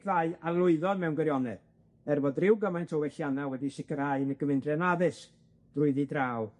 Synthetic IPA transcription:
ðaɨalˠʊɨðɔðmɛwnɡwɛɾjɔnɛð̥ | ɛrvɔdrɪwɡəmajntʰɔwɛɬjanawɛdisɪkərhaɨnəɡ̥əmɪndrjɛnaðɨs | d̥rʊɨðidraːw

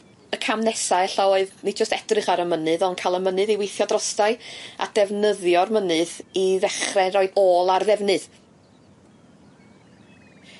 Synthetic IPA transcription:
əkʰamnɛsaɛɬaoɨðnid͡ʒəstɛdrɨχaɾəmənɨðɔnkʰalˠəmənɨðiwejθjɔdrɔstaɨa̰d̥ɛvnəðjɔrmənɨðiðɛχrɛɾoɨdoːlˠarðɛvnɨð

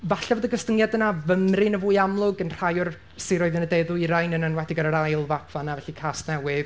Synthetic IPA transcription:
vaɬavoːðəɡəstəŋjadənavəmrɪnəvuːjamlˠʊɡənr̥ajʊr | siɾoːɨðɪnədejðʊiɾajnənənwɛdɪɡəɾəɾajlˠvapʰanavɛɬikʰaːstnɛwɪð̥

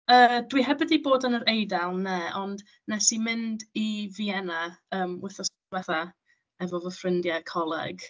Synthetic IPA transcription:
əːdwiɦɛbɪdiboːdənəɾejdalˠnɛʔɔnd | nɛsimɪndiviɛnaəːmwɛθɔs | wɛθa | ɛvɔvəfrɪndjakʰɔlˠɛ̰ɡ̥

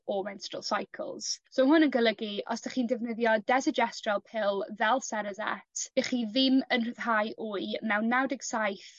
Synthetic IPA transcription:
ɔmɛnstɹə̰lˠsajkʰə̰lˠz̥soːɦʊnənɡəlˠəɡiʔɔ̰sd̥aχiːndɪvnəðjɔdɛzɪd͡ʒɛstralˠpʰɪlˠvɛlˠsɛɾəzɛ̰tʰb̥ɛχiːðɪmənr̥əð̥ɦajʔuɨmɛwnːawdɪɡ̥sajθ

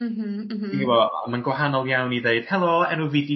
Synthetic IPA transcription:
m̩ | iniwɔa̰manɡwaɦanɔlˠjawniðeɨd̥hɛlˠoɛnuvɪdi

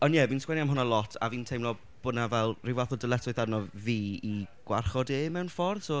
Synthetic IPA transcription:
ɔnjɛviːnskwɛniamɦʊnalˠɔtʰa̰viːntʰejmlɔ | b̥ʊnavɛlˠrɪvaθɔdəlˠɛtʰʊɨθarnɔviːiɡ̥warχɔdeːmɛwnfɔrso

